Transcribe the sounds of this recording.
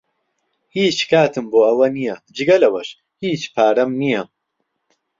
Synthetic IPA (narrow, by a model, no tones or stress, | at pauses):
hiːt͡ʃkaːt̪ʰɨmboːɐwɐnijɐd͡ʒɨɡɐlɐwɐʃ | hiːt͡ʃpʰaːɾɐmnijɐ